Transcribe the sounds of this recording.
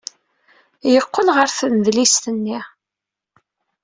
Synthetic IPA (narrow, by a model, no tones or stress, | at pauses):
jəqːəlʁəɾθənəðlist̪ənːi